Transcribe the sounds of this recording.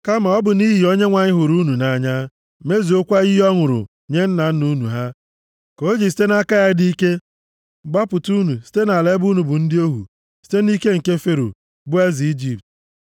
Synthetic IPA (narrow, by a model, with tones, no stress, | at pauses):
ka˦ma˨ɔ˦bʊ˨ni˦ɦi˨o˦ɲe˦ŋʷa˨ɲɪ˦ɦʊ˨ɾu˦nu˨na˨ɲa˦ | me˦zi˨o˦kʷa˦i˦ɦɔ˦ŋʊ˨ɾʊ̰˨ | ɲe˦n̩˦na˨n̩˦nu˦nṵ˨ɦa˦ | ko˨˦o˦d͡ʒi˨s̬i̥˦te˦na˦ka˦ja˦di˦i˦ke˦ | ɡ͡ba˦pʊ˨tu˦nu˨si̥˦te˦na˨le˦bu˦nu˨bʊ˨n̩˦dɪ˦o˦ɦṵ˨ | si̥˦te˦ni˦ke˦ŋ̩˨ke˦fe˦ɾo̰˨ | bʊ˦e˦zi˨i˦d͡ʒi˦p̚t